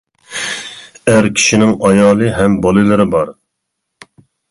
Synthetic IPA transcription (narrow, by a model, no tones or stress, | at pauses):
æɾkʲʰi̥ʃinɪŋɑjɑːlˠɨɦɛmbɑlˠɨlɨɾɪbɑɾ